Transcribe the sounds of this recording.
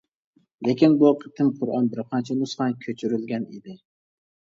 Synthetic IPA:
le̞kʲʰɪnbʊqʰɨ̥t̪ʰɪmqʰʊɾɒnbɪɾqʰɑnt͡ʃʰanʊsχɑnkʲʰɵt͡ʃʰyɾɪlɡʲaned̪ɪ

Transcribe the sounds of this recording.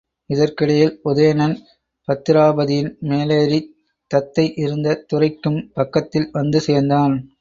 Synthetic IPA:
ɪðɐrkɪɽɐjɪlʊðɐjɐnɐn | pɐt̪ːɪɾaːbɐðɪjɪnmeːleːɾi | t̪ːɐt̪ːɐɪʔɪɾɯnd̪ɐt̪ʊrɐɪkːɯmpɐkːɐt̪ːɪlʋɐnd̪ɯseːɾnd̪aːn

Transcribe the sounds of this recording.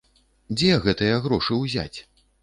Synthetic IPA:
d͡zʲɛɣɛt̪ɨjɐɣɾɔʂɨwzʲa̰t͡sʲ

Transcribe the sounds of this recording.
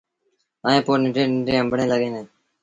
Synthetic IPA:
aːẽːpoːɾnɪɖẽːnɪɖẽːɦəmbʱɳẽːləɡẽːnẽː

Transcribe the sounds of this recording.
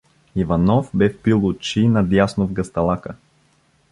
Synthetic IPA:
ivɐnɔfbɛfpilˠʊt͡ʃinɐd̪jasnovɡɐst̪ɐlˠakə

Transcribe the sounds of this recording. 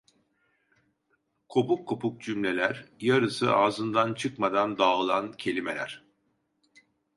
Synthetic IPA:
kʰopukʰːo̞puk̚d͡ʒymlʲe̞lʲæɾjaɾɯsɯaːzɯnd̪ant͡ʃʰɯkmad̪and̪aɯlˠancʰe̞lʲimelʲæ̰ɾ̥

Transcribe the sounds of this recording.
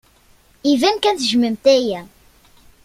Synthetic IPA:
ivænkænθʒməmt̪æjæ

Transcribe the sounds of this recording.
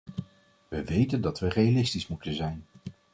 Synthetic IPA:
ʋəʋejtəndɑtʋərejalɪstismutənzɛjn

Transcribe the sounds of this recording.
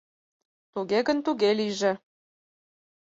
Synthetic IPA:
t̪uɣeɣənt̪uɣeliʒe

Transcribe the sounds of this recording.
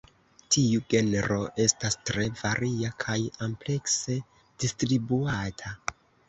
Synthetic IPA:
tiuɡe̞neɾo̞ʔe̞stastɾe̞vaɾʔiakʰajomple̞kse̞ | d̥istɾibuatʰa

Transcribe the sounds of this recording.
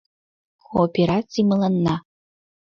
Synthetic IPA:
kʰoːpʰʲeɾatt͡simɨlɐnːa

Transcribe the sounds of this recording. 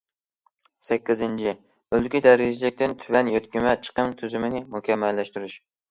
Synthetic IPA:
sɛkʲːɪzɪnt͡ʃʰi | ølɡʲid̪æɾɪd͡ʒlɪk̚ʲt̪ɪnt̪ʰyvɛnjot̪kʲimɛt͡ʃʰə̥qəmt̪ʰyzymɪnɪmʊkʲʰɛmːælːæʃt̪yɾyʃ

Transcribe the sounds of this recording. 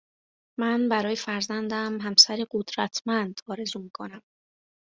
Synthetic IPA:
mænbæɾɒːje̞fæɾzænd̪æmɦæmsæɾeɢod̪ɾæt̪ʰmænd̪ɒːɾe̞zuːmikʰo̞næm

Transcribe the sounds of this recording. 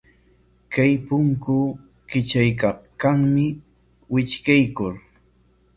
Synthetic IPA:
kajpʊŋkʊ | kɪt͡ʃajkaχkaŋmɪ | wɪt͡ʃkajkʊɾ

